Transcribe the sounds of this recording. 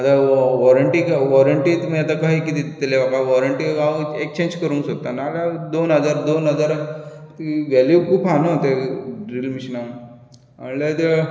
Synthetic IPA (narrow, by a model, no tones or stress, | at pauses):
at̪aʋɔɾəɳʈikaʋɔɾəɳʈiːt̪məjat̪̬akaɦiːkit̪it̪t̪eleʋakaʋɔɾəɳʈiaek̚t͡ɕẽɲd͡ʑkəɾũːŋksok̚t̪anaːlad̪onɦəd͡zaɾd̪onɦəd͡zaɾt̪iʋɛljukuːpʰanot̪eɖɾilmiɕna | ə̰let̪e